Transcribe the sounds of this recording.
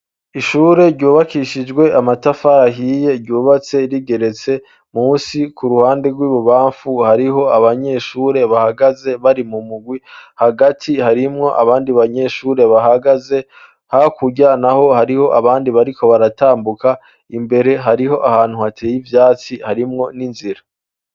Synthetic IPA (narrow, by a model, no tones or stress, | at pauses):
iʃuːɾe̞ɾɟuːβakiʃid͡ʒɡwe̞amatafaɾaɦiːje̞ɾɟuːβat͡se̞ɾiɡe̞ɾe̞t͡se̞ | muːsikuɾuhaːnde̞ɡwiːβuβaːɱfuhaɾiɦo̞aβaɲe̞ʃuːɾe̞βahaɡaze̞βaɾimumuɡwihaɡatʰihaɾimŋo̞ʔa̰βaːndiβaɲe̞ʃuːɾe̞βaɦaɡaze̞ | hakuɟanaho̞haɾiho̞ʔaβaːndiβaɾikʰo̞βaɾataːmbuka | imbe̞ɾe̞ɦaɾiɦo̞ʔahaːn̥huhatʰe̞ːjivjaːt͡sihaɾimŋo̞ninziɾa